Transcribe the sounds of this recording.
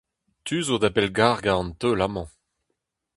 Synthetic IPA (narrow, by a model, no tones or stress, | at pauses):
t̪yzod̪apɛlɡaːʁɡaɑ̃ntølamɑ̃